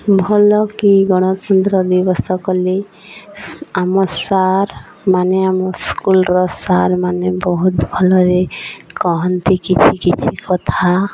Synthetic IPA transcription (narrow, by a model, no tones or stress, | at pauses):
bʱɔlɔkiɡɔɽ̃ɔt̪ɔnt̪ɾɔd̪ibɔst̪ʰɔkɔle | amɔɾsaɾ | maneamɔɾskulɾɔsaɾmanebɔɦut̪bʱɔlɔɾekɔɦɔnt̪ikit͡ʃʰikit͡ʃʰikɔt̪ʰa